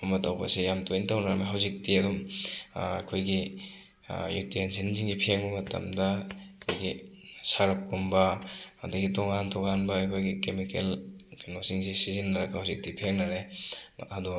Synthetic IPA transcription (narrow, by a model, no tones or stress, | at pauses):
umɐtawbɐ̰sijamtojntawnaɾɐmaɦawzik̚tiɐdum | a̰kʰojɡi | jṵtiensinziŋɡipʰeŋbɐmɐtɐ̰mdɐkʰojɡi | saɾɐp̚kumbɐa̰daɡitɔŋantʰɔkanbɐːjkʰojɡikemikelnosiŋs̬isizinːɐɾɐɡahawzik̚tipʰeŋnɐɾe | ɐdu